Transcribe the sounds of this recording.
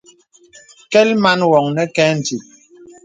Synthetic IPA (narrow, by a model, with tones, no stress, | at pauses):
kɛ˦lma˦nwɔ˨ŋnɛ˦kɛː˦n̩˨ti˨t̚